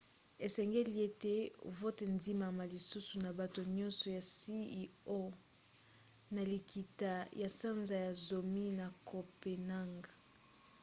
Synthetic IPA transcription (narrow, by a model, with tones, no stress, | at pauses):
e˨sɛ˨ŋɡe˦li˦e˦tḛ˨vo˦te˨ndi˦ma˨ma˨li˨su˦su˨na˨ba˨to˨ɲɔ̃˦nsɔ˨ja˨si˦i˦o˦ | na˨li˨kʰi˨ta˨ja˨sa˦nza˨ja˨zo˨mi˦na˨kʰo˨pe˨na˦ŋɡa˨